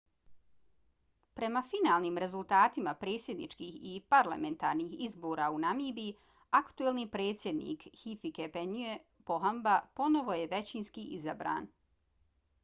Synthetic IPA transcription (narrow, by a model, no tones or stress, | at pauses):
pɾe̞mafinaːlˠniːmɾe̞zult̪aːt̪imapɾe̞ːt̪sjed̪nḭt͡ʃkiːhipaɾla̰me̞nt̪a̰ːɾniːhizboːɾaunamiːbi | akt̪uelˠniːpɾe̞ːt̪sʲje̞d̪nḭːkhifikepenye | poɦambapo̞no̞ʋo̞jeʋe̞t͡ɕinskiʔizabɾa̰ːn